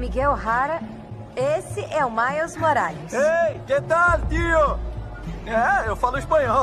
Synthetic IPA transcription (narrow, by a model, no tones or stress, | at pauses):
miɡɛwɦaɾɐ | esɪʔɛʊmajɔzmoɾaʎʊseket̪ad̪ɪd̪io | ɛewfalʊispɐ̃ɲɔ